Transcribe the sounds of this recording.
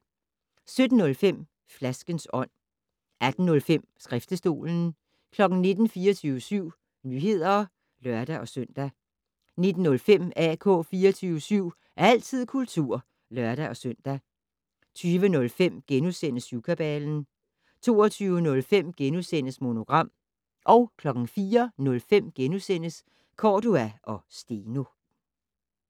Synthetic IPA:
sød̥n̩nɔ̽lfem̰ | flæsɡ̥ənsɒ̽n̰ | æd̥n̩ːɔ̽lfem̰sɡ̥ʁɛfd̥əsd̥o̝̰ːln̩ | kʰlɒ̽ɡ̥n̩ne̝d̥n̩fiːɐt͡sʰyːʊəsyʊ̰ | nyːɦe̝ð̰ˠɐ | lɶɐd̥æʔɒ̽søn̰d̥æ | ne̝d̥n̩ːɔ̽lfem̰ækʰɔ̰̽ːfiːɐt͡sʰyːʊəsyʊ̰ | æɐæl̰t͡sʰið̞̰ˠkʰult͡sʰuɐ̰ | lɶɐɾ̥æʔɒ̽søn̰d̥æ | t͡sʰyːʋənɔ̽lfem̰ɡ̥enusenəsjukʰæb̥ɛːln̩ | t͡sʰo̝ːɒt͡sʰyːʊənɔ̽lfem̰ɡ̥enusen̰əsmo̝no̝ɡ̥ʁɑ̈m̰ | ʔɒ̽ʊkʰlɒ̽ɡ̥ŋ̩fiːɐnɔ̽lfem̰ɡ̥enusen̰əs | kʰɒːduæʔɒ̽sd̥eːno̝

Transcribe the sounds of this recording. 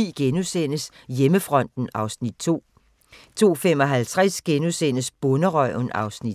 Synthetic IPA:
ḭːɡ̥enusen̰əs | jeməfʁɒ̽n̰d̥n̩ɑ̈ʊsnid̥̚t͡sʰo̝̰ː | t͡sʰo̝̰ːfem̰ɒ̽ɦælt͡sʰʁasɡ̥enusen̰əsb̥ɔ̽nəʁœʊnɑ̈ʊsni̥

